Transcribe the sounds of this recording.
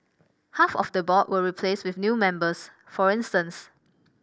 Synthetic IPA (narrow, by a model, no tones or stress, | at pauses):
hafɔ̰fdəbɔtwəɹipʰleswɪfnjumɛ̃mbəs | fɔɹɪ̃nstə̃ns